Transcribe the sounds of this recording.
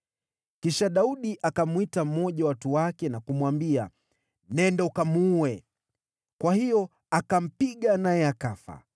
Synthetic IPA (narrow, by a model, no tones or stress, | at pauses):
kiʃaɗauɗiʔakamwitam̩mɔʄawatuwakɛnakumwambia̰ | nɛndaukamuːɛ | kwahijɔ | akam̩piɠanajɛakafa̰